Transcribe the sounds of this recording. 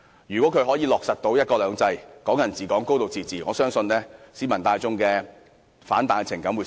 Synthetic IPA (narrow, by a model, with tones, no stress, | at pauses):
jyː˨˩kwɔ˨˥kʰɵ˨˧ɥɦɔː˨˥jiː˨˧lɔː˨k̚sɐ˨t̚t̪o˨˧wjɐ˥t̚kɔː˧lœː˨˧ŋt͡sɐ˧jkɔː˨˥ŋjɐ˨˩nt͡siː˨˩kɔː˨˥ŋko˥wt̪o˨wt͡siː˨˧t͡siː˨˩ŋɔː˨˧sœː˥ŋsɵ˧nlɛː˥siː˨˥mɐ˨˩nt̪aː˧jt͡sʊ˥ŋkɛː˧ | faː˨˥nt̪aː˨˧jt͡sʰɪ˨˩ŋkɐ˨˥mwu˨˧